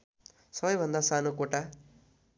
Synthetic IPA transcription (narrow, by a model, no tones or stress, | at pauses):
sʌbʌjbʱʌnd̪asanokoʈa